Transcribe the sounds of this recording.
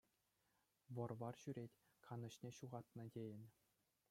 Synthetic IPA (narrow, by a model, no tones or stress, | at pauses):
ʋɤ̆rʋɑrɕyɾʲetʲ | kʰɑnɤ̆ɕnʲeɕuʁɑt̪nɤ̆dʲejɘ̆nʲ